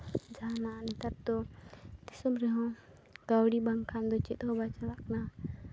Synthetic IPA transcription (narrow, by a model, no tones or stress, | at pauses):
d͡ʒananit̪ab̚t̪ɔt̪isɔmɾɛɦɔ̃ | ɡ̥awɽibaŋkʰand̪ɔt͡ʃit̪ɦɔbat͡ʃalak̚na